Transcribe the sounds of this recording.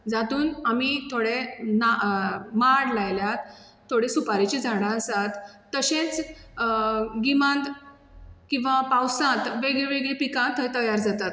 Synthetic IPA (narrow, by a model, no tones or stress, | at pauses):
d͡zat̪uːnamit̪ʰoɽenamaɽlajljat̪ʰː | oɽesupaɾit͡ɕid͡zʱaɽ̃ãəsat̪ː | əɕẽt͡s | ɡimãnt̪ | kĩw̃ʋapawsãt̪ʋeɡɭẽʋeɡɭipikãt̪ʰːəjt̪əjaɾd͡zat̪at̪̚